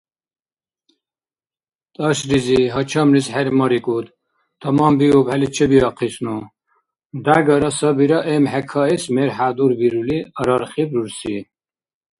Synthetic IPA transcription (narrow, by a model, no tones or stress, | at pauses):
t̪ʼɑʃɾiziɦɔt͡ʃʰamlisħɛɾmɔɾikʼud̪ | t̪ʰɔmambiubhɛlit͡ʃʰɛbiɑqʰisnu | d̪aɡaɾɔsɔbiɾaʔɛmhɛkʰaɛsmɛɾħad̪uɾbiɾuliəɾɔɾχibɾuɾsi